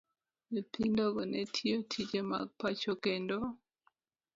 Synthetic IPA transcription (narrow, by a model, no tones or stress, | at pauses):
mipindoɡɔnetʰiotʰid͡ʒema̰ɡ̚pat͡ʃokendo